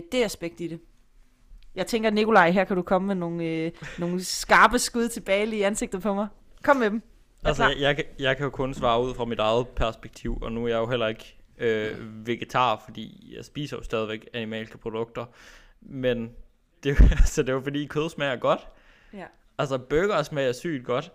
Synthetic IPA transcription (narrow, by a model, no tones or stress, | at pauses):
d̥e̝æsb̥eɡ̥̚d̥iɾ̥e | jɑ̈ɪt͡sʰeŋɡ̥ɐnikʰo̝lɑ̈ɪɦeɐkʰæɾukʰɒ̽məmeno̝ːn̩no̝ːn̩sɡ̥ɑ̈ːb̥əsɡ̥uð̞̰ˠt͡sʰe̝b̥ɛːɪliːænse̝ɡ̥̚d̥ð̩ˠpʰɒ̽mɑ̈ɪ | kʰɒ̽m̰med̥m̩ | ælsjɑɪkʰjɑ̈ɪkʰæjo̝kʰɔ̽nsʋɑ̈ːuð̞̰ˠfʁɑ̈midɑ̈ɪð̞̩ˠpʰæɐsb̥eɡ̥̚t͡sʰiʊ̰ɒnuæɐjɑ̈ɪjo̝ɦel̰ɐe̝ɡ̥øʋe̝ɡ̥e̝t͡sʰɑ̰̈ːfɒ̽d̥ḭːjɑ̈ɪsb̥ḭːsɐjo̝sd̥ɛːð̞ˠiʋeɡ̥ænimɛ̰ːlsə̥pʰʁo̝d̥ɔ̽ɡ̥̚d̥ɐ | men | d̥e̝æsəd̥e̝jofɒd̥ḭːikʰøð̞ˠsmæjɐɡ̥ɒ̽d̥ | ælsɐb̥øɡ̥ɐsmæjɑsy̰ːd̥̚ɡ̥ɒ̽d̥